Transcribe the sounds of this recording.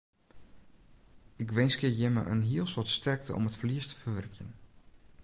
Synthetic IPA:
ɪkʋɪnskəjɛmə̰ʔə̰nɦiəlˠsɔtstʰɛrk̚tə̰ʔɔ̰mətfliəstə̥fərʋɛrkjən

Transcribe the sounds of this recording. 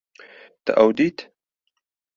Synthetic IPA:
t̪a̰ʔawd̪it̪

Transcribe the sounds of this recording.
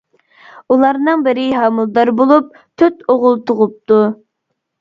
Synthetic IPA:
ulˠɑɾnɨŋbɪɾɪɦɑmulˠd̪ɑɾbolˠup̚ | t̪ʰyt̪oʁʊlˠt̪ʰoʁʊp̚t̪u

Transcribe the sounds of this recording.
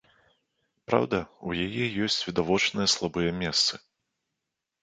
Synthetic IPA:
pɾa̰wd̪ɐujajɛjɔsʲt͡sʲvʲid̪avɔt͡ʂnɨjɐslˠabɨjɛmʲɛst̪sɨ

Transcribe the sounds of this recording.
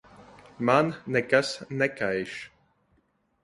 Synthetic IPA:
manːɛkasnɛkajʃ

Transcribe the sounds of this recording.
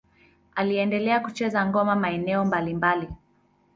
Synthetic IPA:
aliɛndɛlɛakut͡ʃɛzaŋɡɔmamaɛnɛɔmbalimbali

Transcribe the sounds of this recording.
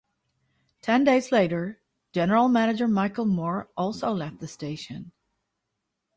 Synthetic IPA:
tʰɛ̃ndeɪzleɪɾə̥˞ | d͡ʒ̥ɛnə˞l̩ˠmænɨd͡ʒə˞maɪkl̩ˠmɔɹʔɔlˠsoʊlɛft̪̚ðɨsteɪʃɨ̃n

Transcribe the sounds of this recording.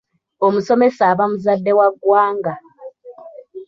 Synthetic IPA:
omusɔmɛsaβamuzadɛwaɡwaːŋɡa

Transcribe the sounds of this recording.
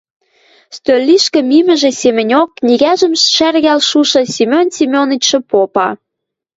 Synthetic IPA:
st̪ølʲːiʃkə̆mimə̆ʒĕsemɘ̆nʲokːnʲiɣæʒə̆mʃærɣælʃuʃɤ̆sʲimʲonsʲimʲonit͡ɕʃə̆popɑ

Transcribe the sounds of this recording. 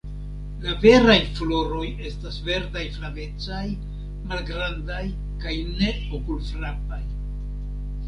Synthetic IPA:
lave̞ɾajflo̞ɾo̞je̞stasve̞ɾdajflave̞t͡saj | malɡɾandaj | kajne̞ | okulfɾapaj

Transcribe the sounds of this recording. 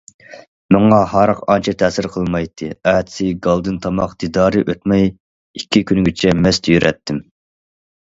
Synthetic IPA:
mɑŋɑhɑːɾəqɑnt͡ʃʰɛt̪ʰɛsɪɾqʰəlˠmɑjt̪ʰːɨɛt̪sɪɡɑlˠd̪ɨnt̪ʰɑmɑqd̪̥id̪ɑːɾɨʔøt̪mɛj | ikʲːikʲʰynɡʲit͡ʃʰɛmɛst̪ʰyjyɾɛt̪ʰːɪm

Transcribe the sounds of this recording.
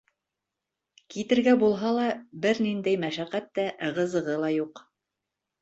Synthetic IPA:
kit̪ɘ̆ɾɡæbulˠɦɑlˠɑbɘɾnind̪æjmæʃæqæt̪ːæʁɤ̆zɤ̆ʁɤlˠɑjuq

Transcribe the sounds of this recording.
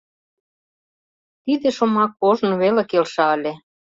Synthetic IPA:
t̪id̪ĕʃomɑkːoʒnβelekelʃɑəlʲe

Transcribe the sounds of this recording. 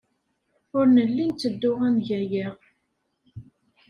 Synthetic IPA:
ʊɾnəlːint͡s̪ːəd̪ːʊʁænʝæjiʁ

